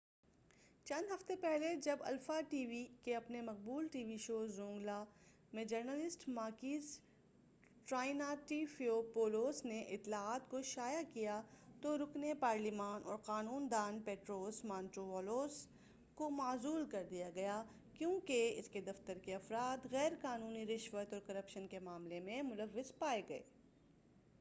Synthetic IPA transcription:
t͡ʃɐ̃nd̪ɦɐft̪epɛɦled͡ʒɐbɐ̰lfaʈiːʋikeɐpnemɐq̚buːlʈiːʋiʃoːzõːŋɡla | mẽd͡ʒɐɾnəlɪsʈmaːkiːs | ʈɾaːɪnaʈiːfiopoːloːsneʔɪt̪ːlaaːt̪koʃaːjakijat̪oɾʊknepaːɾlɪmaːnʔɔ̰ːɾqaːnuːnd̪aːnpeːʈɾoːsmãːnʈɾoʋɔːloːs | komaːzuːlkɐɾd̪ijaɡɐja | kjõːkeɪ̰sked̪ɐft̪əɾkeɐfɾaːt̪ɣɛːɾqaːnuːniɾɪʃʋət̪ɔːɾkɐɾɐpʃənkemaːmlemẽmʊləʋːɪzpaːeɡɐḛː

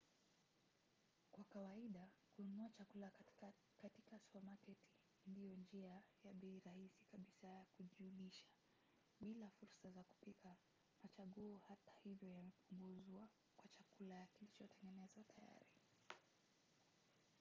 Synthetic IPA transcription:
kwakawaiɗakuunuat͡ʃakula | katikaswamakɛtʰi̥ | ndijɔnd͡ʒiajaɓɛiɾahisi̥kaɓisajakuʄiuɗiʃḁ | ɓilafuɾsazaku̥pikʰa | mat͡ʃaɠuːhatḁhivjɔjamɛpuŋɡuzwa | kwat͡ʃakulajakilit͡ʃɔtɛŋɡɛnɛzwatʰaja̰ɾi

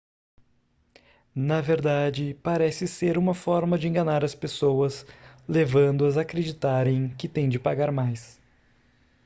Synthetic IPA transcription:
nɐveɾd̪ad͡ʒɪpaɾɛsɪseɾũmɐfɔɾmɐd͡ʒɪẽŋɡɐnaɾɐspesowɐslevɐ̃nd̪ʊɐzaːkɾed͡ʒit̪aɾẽj̃kɪt̪ẽj̃d͡ʒɪpaɡaɾmajs

